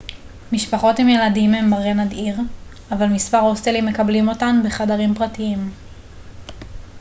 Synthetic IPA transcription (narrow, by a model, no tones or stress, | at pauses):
miʃpaχo̞themje̞ladimhe̞mbaʁenadiʁ | avalmispaʁost̪elimːe̞kablimo̞tanbeχadaʁimpʁatiim